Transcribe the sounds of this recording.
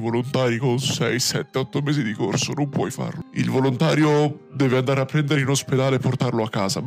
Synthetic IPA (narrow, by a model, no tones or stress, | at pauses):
volont̪aːɾikonsɛjsɛt̪ːeɔt̪ːomɛːzid̪ikorsonompwɔjfa̰rloilvolont̪aːɾjod̪ɛːveand̪aːɾeapːɾɛnd̪eɾeinosped̪aːlepːort̪arloakːaːza